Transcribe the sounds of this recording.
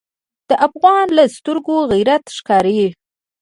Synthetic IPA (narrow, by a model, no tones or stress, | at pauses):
d̪̥əʔafɣɑnlast̪əɾɡoɣijɾat̪ʃkɑɾaji